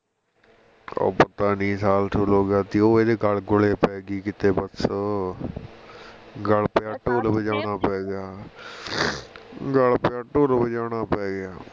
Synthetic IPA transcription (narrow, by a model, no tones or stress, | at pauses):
o̰ːpət̪aːnĩːsaːlʈʰʊloːɡaːt̪iːoːeːd̪eːɡəlɡʊleːpɛːɡiːkɪt̪eːbəs | ɡəlpjaːʈoːlbəd͡ʒaːɽ̃aːpɛːɡɪaː | ɡəlpaʈoːlbəd͡ʒaːɽ̃aːpɛːɡɪjaː